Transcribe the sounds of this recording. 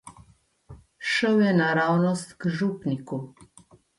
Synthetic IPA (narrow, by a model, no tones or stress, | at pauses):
ʃəwjɛnaɾawnɔst̪kʒupniku